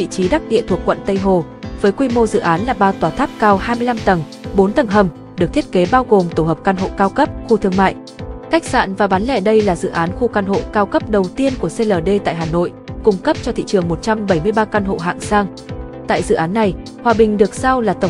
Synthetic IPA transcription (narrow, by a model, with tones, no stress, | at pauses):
vḭ˧˨t͡ɕi˨˦ɗaː˦˥k̚ɗḭ˧˨ət̪ʰu˨˩əkːwə̰˧˨nt̪ə˧jɦo˨˩ | vəː˨˦jkwi˧mo˧zɨ̰˧˨ʔaː˨˦nlaː˨˩ɓaː˧t̪waː˨˩t̪ʰaː˦˥p̚kaː˧whaː˧jmɨ˧əjla˧mt̪ə˨˩ŋ | ɓo˨˦nt̪ə˨˩ŋɦə˨˩m | ɗɨ˨˩k̚t̪ʰət̚ke˨˦ɓaː˧wɣo˨˩mt̪o˧˩həː˨˩p̚kaː˧nɦo̰˧˨kaː˧wkə˦˥p̚xu˧t̪ʰɨ˧əŋma̰ː˧˨j | ka˦˥jk̟̚sa̰ː˧˨nvaː˨˩ɓaː˨˦nlɛ̰˧˩ɗə˧jlaː˨˩zɨ̰˧˨ʔaː˨˦nxu˧kaː˧nɦo̰˧˨kaː˧wkə˦˥p̚ɗə˨˩wt̪i˧ənku˧˩əse˧ləː˨˩ɗe˧t̪a̰ː˧˨jɦaː˨˩no̰˧˨jkʊ˧ŋ͡mkə˦˥p̚t͡ɕɔ˧t̪ʰḭ˧˨t͡ɕɨ˨˩əŋmo˨˩t̚t͡ɕa˧mɓə˧˩jmɨ˧əjɓaː˧kaː˧nɦo̰˧˨ɦa̰ː˧˨ŋsaː˧ŋ | t̪a̰ː˧˨jzɨ̰˧˨ʔaː˨˦nːa˨˩j | hwaː˨˩ɓï˨˩ŋ̟ɗɨ˨˩ək̚sa˧wlaː˨˩t̪ə˧˩